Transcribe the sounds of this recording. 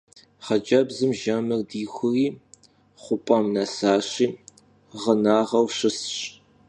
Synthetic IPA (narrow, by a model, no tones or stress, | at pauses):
χɐd͡ʒɐbzɨmʒɐmɨrdiːxʷʊriː | χʷʊpʼɐmnɐsaːɕiː | ʁənaːʁɐwɕɪsɕʼ